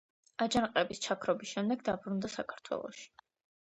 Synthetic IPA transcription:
ad͡ʒanqʼɛbist͡ʃʰakʰɾɔbisʃɛmd̪ɛɡd̪abɾund̪asakʰaɾt̪ʰwɛ̰lˠɔ̰ʃi̥

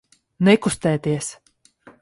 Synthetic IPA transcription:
nɛkust̪ɛːt̪iɛs

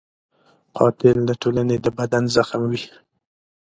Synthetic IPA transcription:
qʰɑ̰t̪ɪlːaʈʰolaned̪əbad̪anzaxmwi

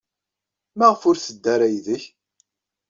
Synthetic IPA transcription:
mæʁəfʊɾθəd̪ːæɾæjðəç

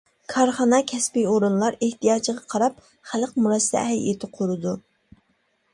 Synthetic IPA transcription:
kʰɑɾχɑnɑkʲʰɛspijoɾunlˠɑɾeht̪ijɑːt͡ʃəʁɑqʰɑɾɑp̚ | χælqmuɾɑsɛ̰ɛ̰hl̰jet̪ʰɪqʰuɾɨd̪u

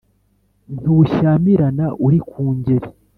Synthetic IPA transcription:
n̥uʃaːmiɾanaʔuɾikʰuːɲɟeɾi

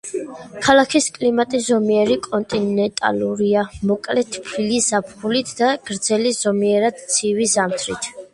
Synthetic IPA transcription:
kʰalˠakʰiskʼlimat̪ʼiszɔmiɛɾikʼɔnt̪ʼinɛnt̪ʼa̰luɾiamɔkʼlɛt̪ʰpʰiliz̥apʰχulit̪ʰd̪̥aɡ̥ɾd̪zɛliz̥ɔmiɛɾad̪̥t̪sʰivizamt̪ʰɾḭt̪ʰ

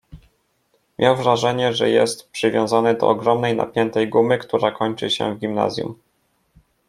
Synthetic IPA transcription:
mʲjawvɾaʐɛɲɛʐɛjɛst̪pʂɘvʲjɔ̃w̃zanɘd̪ɔ̰ːɡɾɔmnɛjna̰pʲjɛnt̪ɛjɡumɘkt̪uɾakɔɲt͡ʂɘ̰ɕɛ̰vɡʲimna̰zʲjṵm

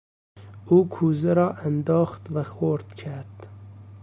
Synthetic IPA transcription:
uːkʰuːzɛɾɑːʔænd̪ɑːxt̪væxoɾd̪̥kʰæɾd̪̥

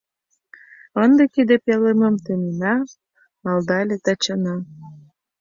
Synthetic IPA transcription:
ənd̪ekid̪epeleməmt̪øninɑ | mɑld̪ɑlʲet̪ət͡ɕənɑ

